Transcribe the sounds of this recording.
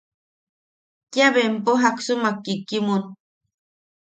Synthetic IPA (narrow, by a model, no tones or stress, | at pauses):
kjaβempoɦaksumakːikːimun